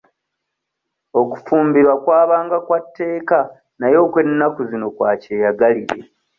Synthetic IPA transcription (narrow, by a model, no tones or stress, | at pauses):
o̞ku̥fuːmbiɾwakwaːβaːŋɡakwatːe̞ːka | najo̞ːkwe̞nːakuzino̞kwaːceːjaɡaliɾe̞̰